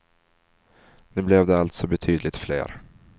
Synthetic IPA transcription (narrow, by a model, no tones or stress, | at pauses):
nʉblɛvd̪ɛalt̪sɔbɛt̪ʰyːd̪lɪt̪flḛːɾ